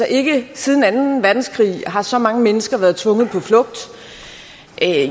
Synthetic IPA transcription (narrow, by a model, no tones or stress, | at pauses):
sɒʔe̝ɡ̥əsið̞ˠn̩ænn̩ʋæɐd̥n̩skʰʁḭːɦɑ̈sɒ̽mɑ̈ŋəmenəsɡ̥ɐʋæːɐð̞ˠt͡sʰʋɔ̽ŋð̞̩ˠpʰɒ̽flɔ̽ɡ̥̚d̥ | ʔ